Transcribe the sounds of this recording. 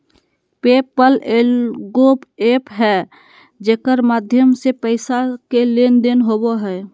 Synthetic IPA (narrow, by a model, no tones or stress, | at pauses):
peːpəlelɡoːpeːpɦɛ | d͡ʒeːkəɾmaːd̪ʱjəmsepəɪsakelend̪enɦoboɦɛː